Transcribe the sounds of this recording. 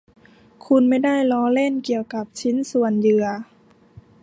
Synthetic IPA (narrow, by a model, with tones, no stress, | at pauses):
kʰu˧nma˥˩jda˥˩jlɔː˧˥˦le˥˩nki˨˩əwka˨˩p̚t͡ɕʰi˦˥nsu˨˩ənjɯ˧˩ɐ